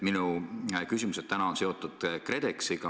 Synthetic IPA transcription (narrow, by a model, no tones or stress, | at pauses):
minukysimuset̪̚t̪ænɑo̞nse̞o̞t̪ːˑud̪̥kre̞d̪eksiɡ̥ɑ